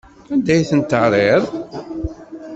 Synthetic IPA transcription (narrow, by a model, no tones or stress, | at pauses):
ænd̪æjθənt̪əʕɾˤeðˤ